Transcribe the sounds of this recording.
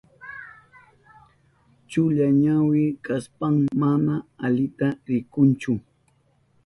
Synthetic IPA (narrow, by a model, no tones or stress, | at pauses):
t͡ʃʊʎaɲawɪkaspaŋmanaaʎɪt̪aɾɪkʊnt͡ʃʊ